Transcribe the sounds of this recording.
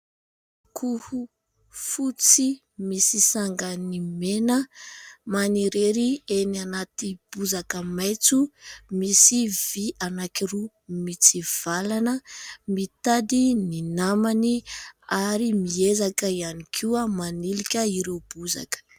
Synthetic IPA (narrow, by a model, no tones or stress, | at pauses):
kʰuhu | fut͡si | misisaŋɡənimenəmaniɾeɾienianat̪ib̥uzakəmajt͡sumisivianakiɾu | mit͡siv̥alanəmit̪ad̪ininamaniaɾimiezakəianikʰuamanilikʲəiɾewb̥uza̰kə̥